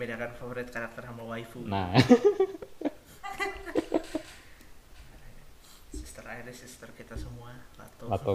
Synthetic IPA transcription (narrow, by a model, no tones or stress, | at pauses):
bidakanfafoɾɪt̪̚kaɾak̚t̪ərhamalwaifuna | sist̪əraɪrɪsist̪ərkit̪asəmuala̰t̪oat̪o